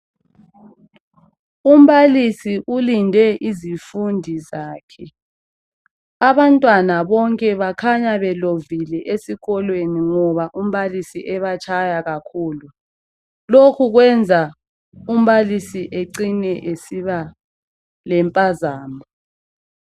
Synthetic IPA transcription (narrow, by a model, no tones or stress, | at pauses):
um̩βalisiʔulindʱɛʔizifundʱizaːkʰɛ | aβantʼwanaβɔŋkʼɛβakʰaɲaβɛlovilɛʔesiɣɔlweniŋɔβaʔum̩βalisiʔɛβat͡ʃʰajaɣakʰuːlu | lokʰuɣwɛnd͡zʱa | um̩βalisiʔeǀinɛʔesiβa | lɛmpʼazaːmɔ